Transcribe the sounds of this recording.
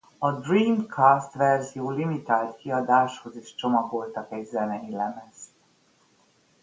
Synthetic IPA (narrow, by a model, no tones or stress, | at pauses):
ɒd̪riːmkʰaːst̪ʋɛrzijoːlimit̪aːlt̪kiɒd̪aːʃho̞zeːʃt͡ʃo̞mɒɡo̞lt̪ɒkɛɟzɛnɛilɛmɛz